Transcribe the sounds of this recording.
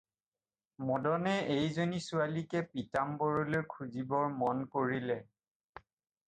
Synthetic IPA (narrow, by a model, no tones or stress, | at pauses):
mɔdɔnɛejzonisualikɛpitambɔɹuleɹkʰuzibɔɹmɔnkoɹilɛ